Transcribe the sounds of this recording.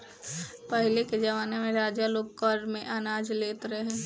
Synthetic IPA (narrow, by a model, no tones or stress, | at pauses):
pəɦɪleked͡ʒɐʋaːnemẽɾaːd͡ʒjaloːk̚kɔɾmẽʔanaːd͡ʒleːt̪ɾɛɦɛ̃ː